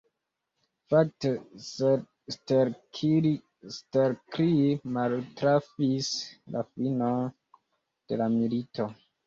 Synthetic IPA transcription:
fak̚tese | steɾkʰii | steɾkɾimaltɾafisla̰finon | d̥e̞̰lamilitʰo̞

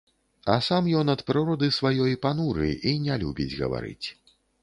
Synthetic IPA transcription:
ɐsamjɔnɐt̪pɾɨɾɔd̪ɨsvajɔjpanuɾɨ̰inʲalʲubʲid͡zʲɣɐ̰va̰ɾɨ̰t͡sʲ

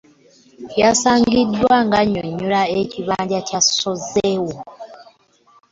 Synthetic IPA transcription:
jasaːŋɡidːwaŋɡaɲːoɲːulaeciβaːɲɟacasozewo

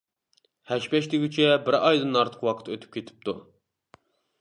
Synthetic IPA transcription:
hɛʃpɛʃt̪ɪɡʲyt͡ʃʰɛbɪɾɑjd̪ɨnɑɾt̪ʰə̥qwɑqʰə̥t̪ʰːøt̪ʰy̥p̚kʲʰet̪ʰɪ̥p̚t̪ʰu

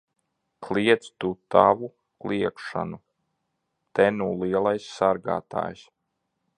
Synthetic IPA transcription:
kliɛt̪st̪ut̪avu | klˠiɛkʃa̰nu | t̪ɛnuːliɛlˠajsːaɾɡa̰ːt̪a̰ːjs

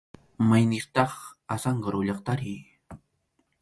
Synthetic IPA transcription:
majnɪɾt̪ɑχasɑɴɢɑɾʊʎɑqt̪aɾɪj

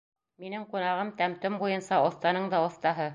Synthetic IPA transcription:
minɘŋqunɑʁɤmt̪æmt̪ɵmbujɤnsɑŏθt̪ɑnɤɴd̪ɑŏθt̪ɑɦɤ

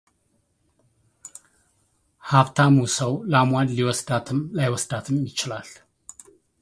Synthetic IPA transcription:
haft̪ʰamusəwlamad̪liwɔsd̪at̪ʰɨmlajwɔsd̪at̪ʰɨmjɪt͡ʃɪlal

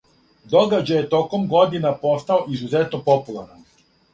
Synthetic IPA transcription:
d̪o̞ɡad͡ʑajet̪o̞ko̞mɡo̞d̪inapo̞st̪aoʔizuzet̪nopopulˠaɾnan

